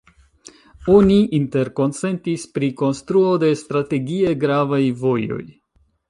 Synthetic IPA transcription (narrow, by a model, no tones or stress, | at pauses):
o̞niʔinte̞ɾko̞nt͡se̞ntispɾiko̞nst̪ɾuo̞de̞stɾate̞ɡie̞ɡɾavajvo̞jo̞̰j